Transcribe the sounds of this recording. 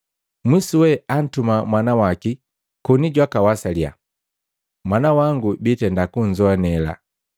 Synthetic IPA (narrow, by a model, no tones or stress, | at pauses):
mwisuwɛan̩tumamwanawaki | kɔniɟwakawasalja̰ | mwanawaŋɡubitɛndakuɲ̩zɔanɛla̰